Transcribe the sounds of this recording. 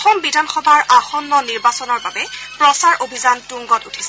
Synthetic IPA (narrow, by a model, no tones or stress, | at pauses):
xɔmbidʱanxɔbʱaɹʔaxɔnːɔniɹbasɔnɔɹbabɛpɹɔsaɹʔobʱizantuŋɡɔtutʰi̥sɛ